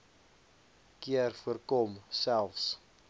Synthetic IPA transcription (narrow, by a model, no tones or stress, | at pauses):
kiərfuərkɔmsælˠfs